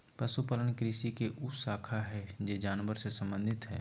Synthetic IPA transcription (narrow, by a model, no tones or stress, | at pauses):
pɾɐsupələnkɾɪsikeʔʊsaːkʰaɦɛd͡ʒeːd͡ʒaːnʋəɾsesɐ̃mbə̃nd̪ʱɪt̪ɦɛ̰ː